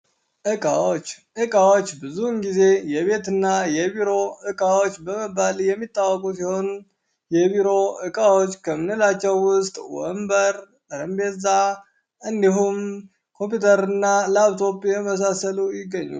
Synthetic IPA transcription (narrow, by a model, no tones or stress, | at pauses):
ʔɨkʼaot͡ʃː | ʔɨkʼawot͡ʃːbɨzunɡize̞jɛβe̞t̪ɨnːajɛβiɾo̞ɨkʼawo̞t͡ʃːbəməbaljɛmːit̪ʼːawːɔkʼusiho̞n | jɛβiɾo̞ʔɨkʼawo̞t͡ʃːkʰəmɨnɨlat͡ʃːɛwːʊst̪ʼwɔ̰mbəɾ | ɾəmbeza | ʔɨnd̪iɦum | kʰo̞mpjut̪ʰəɾɨnːalaβt̪ʰo̞pʼeməs̬asəlujɪɡːəɲːṵ